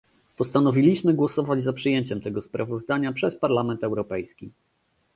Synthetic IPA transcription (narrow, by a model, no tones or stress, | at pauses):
pɔst̪anɔvʲilʲiɕmɘɡwɔsɔvad͡ʑzapʂɘjeɲt͡ɕɛmt̪ɛɡɔspɾʔavɔzd̪aɲapʂɛspaɾlamɛnt̪ɛwɾɔpɛjskʲi